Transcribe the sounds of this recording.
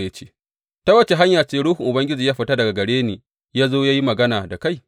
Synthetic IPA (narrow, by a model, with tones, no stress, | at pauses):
jɐ˦t͡ʃeː˦ | ta˦wɐ˦t͡ʃe˨ɦa˦ɲjaː˨t͡ʃeː˨ɽuː˦hʊ˨ŋʔʊ˨bɐ˦ŋɡʲɪ˦d͡ʒiː˨jaː˦ɸi˨ta˦dɐ˨ɡa˨ɡɐ˨ɽeː˦niː˨ | jaː˦zoː˦jaː˦ji˦mɐ˨ɡɐ˦naː˨da˨ka˦˨j